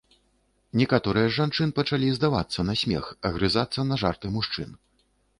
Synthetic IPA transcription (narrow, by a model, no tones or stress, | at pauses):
nʲɛkat̪ɔɾɨjɐʐant͡ʂɨnɨpɐt͡ʂalʲizd̪ava̰t̪sːɐnɐsʲmʲɛ̰xɐɣɾɨzat̪sːɐnɐʐart̪ɨmuʂt͡ʂɨ̰n